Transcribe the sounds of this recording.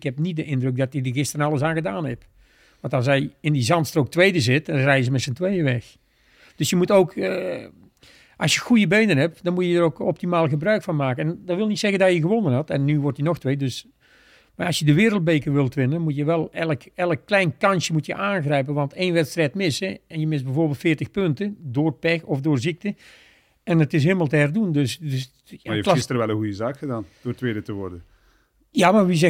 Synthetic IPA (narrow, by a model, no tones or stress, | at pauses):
khɛp̚nit̚dəʔɪndrøk̚dɔtidəɣɪstərənɑlˠəsaːnɣədaːnɛp | ʋɑ̃ntɑlˠs̬ɛjɪndizɑntstrowk̚tʋejdəzɪtrɛjəz̬əmɛtsəntʋeːdəʋɛx | d̥øsjəmutowkə | ʔɑsjəxujəbeːnənɦɛp̚dɔnmutjədəɾowkɔp̚timaːlˠɣəbrœɥkfɔnmaːkəɛndɔʋɪlˠnitsɛɣəndajəɣəʋonənhɑtɛnːyʋɔrtinɔxtʋeːdøs | maːɑsjədəʋɪːɾəlˠt̚beːkəʋɪlˠtʋɪnənmutjəʋɛlˠɛləkɛləkːlɛjnkɑnsjəmutjəʔaːnɣrɛjp̬ənʋɑnteːnʋɛtstrɛjtmɪsəɛnjəmɪs̚bəvoːrbɪːlˠtfɪːrtəxpøntədoːrpɛxɔfdoːrzik̚tə | ɛnətɪs̬ɦeːməlˠtəɦɛrdundøsdøs | jafklxɪstərʋɛlˠənɣujəzaːkxədaːnd̥oːrtʋeːdətəʋɔ̰rdə | jamarʋizɛ